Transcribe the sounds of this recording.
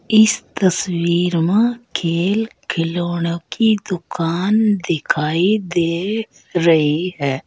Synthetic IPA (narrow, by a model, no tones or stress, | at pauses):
ɪst̪əswiːɾmãkʰeːlkʰɪloːɽ̃okid̪ʊkaːnd̪ɪkʰaːid̪eːkʰ | ɾɐɦiɦɛː